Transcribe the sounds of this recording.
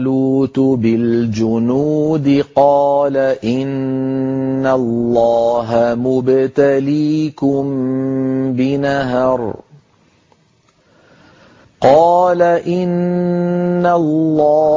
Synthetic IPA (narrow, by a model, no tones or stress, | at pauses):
luːt̪ʊbɪld͡ʒʊnuːd̪ɪqɑːlaʔɪnː | alːɑːɦamʊbt̪aliːkʊm | bɪnaɦɑɾˤ | qɑːlaʔɪnː | alːɑː